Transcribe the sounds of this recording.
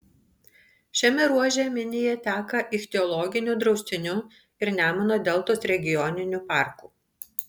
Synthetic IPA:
ʃʲɛmʲɛɾuɔʒʲɛmʲɪnʲɪjɛt̪ʲæːkɐʔɪʃt̪ʲɛɔlˠɔɡʲɪnʲuːˑd̪ɾɒʊsʲt̪ʲɪnʲu | ɪɾnʲæːmɐnoːd̪ʲɛlˠt̪oːsɾʲɛɡʲɪjɔnʲɪnʲupɑˑɾkuː

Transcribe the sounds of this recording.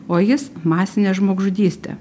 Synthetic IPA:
oːjɪsmɑːsʲɪnʲeːʒmoːɡʒʊd̪ʲiːsʲt̪ʲḛ

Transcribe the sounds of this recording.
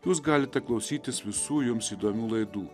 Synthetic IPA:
juːs̬ɡɑːlʲɪt̪ʲɛklˠɒʊsʲiːt̪ʲɪsʋʲɪsuːjʊmsiːd̪oːmʲuːlˠɐɪd̪uː

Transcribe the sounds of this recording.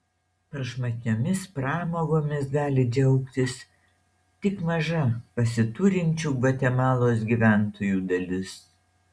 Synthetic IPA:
pɐɾʃmɐtʲnʲoːmʲɪspɾɑːmoːɡoːmʲɪsɡɑːlʲɪd͡ʒʲɛʊkt̪ʲɪs | t̪ʲɪkmɐʒɐpɐsʲɪt̪uɾʲɪnʲt͡ʃʲuːʋɐt̪ʲɛmɑːlˠoːs̬ɡʲiʋʲæˑnt̪oːjuːd̪ɐlʲɪs

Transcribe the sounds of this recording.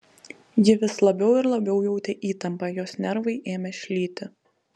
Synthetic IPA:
jɪʋʲɪslˠɐbʲɛʊɪɾlˠɐbʲɛʊjɛʊt̪ʲɛʔiːt̪ɐmpɐjoːsnʲɛɾʋɐɪʔeːmʲɛʃʲlʲiːt̪ʲɪ

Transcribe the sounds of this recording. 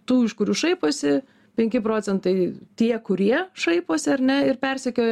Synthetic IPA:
t̪uːɪʃkʊɾʲuːʃɐɪpoːsʲɪ | pʲɛŋʲkʲɪpɾoːt͡s̪ʲɛnt̪ɐɪt̪ʲiɛkʊɾʲiɛʃɐɪpoːsʲɪɐɾʲnʲɛɪrpʲɛrʲsʲɛkʲoːj

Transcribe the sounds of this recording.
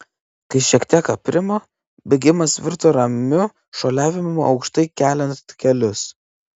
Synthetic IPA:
kɐɪʃʲiɛkt̪ʲiɛkɐpʲɾʲɪmoː | bʲeɡʲɪmɐsʋʲɪɾt̪oːɾɐmʲʊ | ʃoːlʲæːʋʲɪmmo̰ʔɒʊkʃt̪ɐɪkʲæːlʲɛnt̪kʲɛlʲʊs

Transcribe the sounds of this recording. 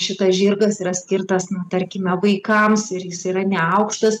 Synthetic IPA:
ʃʲɪt̪ɐsʒʲɪrɡɐsiːɾɐsʲkʲɪrt̪ɐsnut̪ɐɾʲkʲɪmʲɛʋɐɪkɐmsɪɾjɪsiːɾɐnʲɛɐʊkʃt̪ɐs

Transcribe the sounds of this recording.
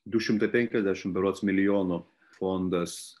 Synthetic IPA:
d̪ʊʃʲɪmt̪ɐɪpʲɛŋʲkʲɛzʲd̪ʲæːʃʲɪmbʲɛɾoɔt̪smʲɪlʲɪjoːnʊ | fond̪ɐs

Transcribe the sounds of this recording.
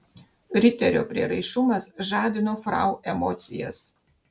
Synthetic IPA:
ɾʲɪt̪ʲɛɾʲo̰ːpʲɾʲiɛɾɐɪʃʊmɐsʒɑːd̪ʲɪnoːfɾɑ̰ˑʊʔɛmɔːt̪sʲɪjɛ̰s

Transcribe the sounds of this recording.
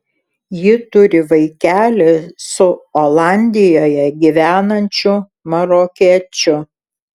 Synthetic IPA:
jɪt̪ʊɾʲɪʋɐɪkʲæːlʲɛsʊolˠɑˑnʲd̪ʲɪjoːjɛɡʲiʋʲæːnɐnʲt͡ʃʲʊ | mɐɾokʲiɛt͡ʃʲʊ

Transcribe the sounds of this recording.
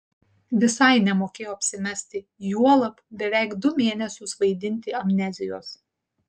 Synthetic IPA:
ʋʲɪsɐɪnʲɛmoːkʲeːjoːɐpʲsʲɪmʲɛsʲt̪ʲɪ | juɔlˠɐpbʲɛʋʲɛˑɪkd̪ʊmʲeːnʲɛsʲʊsʋɐɪd̪ʲɪnʲt̪ʲɪɐmʲnʲɛzʲɪjo̰ːs

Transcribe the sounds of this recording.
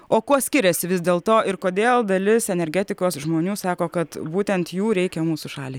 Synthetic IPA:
oːkuɔsʲkʲɪɾʲɛsʲɪʋʲɪzd̪ʲeːlˠt̪oːɪɾkoːd̪ʲeːlˠd̪ɐlʲɪsɛnʲɛɾʲɡʲæːt̪ʲɪkoːsʒmoːnʲuːsɑːkoːkɐt̪buːt̪ʲɛnt̪juːɾʲɛɪkʲɛmuːsʊʃɑːlʲiː

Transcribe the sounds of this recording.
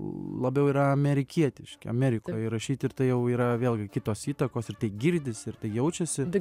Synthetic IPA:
lˠɐbʲɛʊiːɾɐɐmʲɛɾʲɪkʲiɛt̪ʲɪʃʲkʲɪ̰ɐmʲɛːɾʲɪkoːjɾɐʃʲiːt̪ʲɪrt̪ɐɪjɛʊiːɾɐʋʲeːlˠʲɡʲɪkʲɪt̪oːsiːt̪ɐkoːsɪrt̪ɐɪɡʲɪɾʲd̪ʲɪsʲɪɾt̪ɐɪjɛʊt͡ʃʲɛsʲɪt̪ɐɪ

